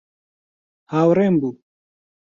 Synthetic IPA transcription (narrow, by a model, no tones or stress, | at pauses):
hawɾembu